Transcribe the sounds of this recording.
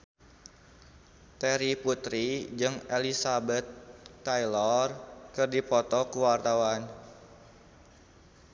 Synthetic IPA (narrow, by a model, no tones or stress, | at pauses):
t̪ɛɾiput̪ɾid͡ʒɨŋelisabɛt̪̚kajlɔrkɨrdipɔt̪ɔkuwart̪awan